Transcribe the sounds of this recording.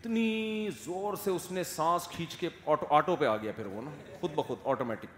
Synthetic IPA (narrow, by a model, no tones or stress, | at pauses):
ɪt̪nizoːɾseʊsnẽsãːskʰiːt͡ʃkeɔːʈoʔaːʈopeaːɡɐjapʰɪɾʋo̰na | xʊd̪̚bɐxʊd̪ɔːʈoːmɛːʈɪk